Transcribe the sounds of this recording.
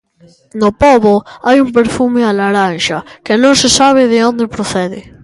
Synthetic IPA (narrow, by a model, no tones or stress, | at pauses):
nopoβoajump̬eɾfumɪalaɾanʃakenõŋsesaβ̞ɪðɪond̪epɾoθɛðɪ̰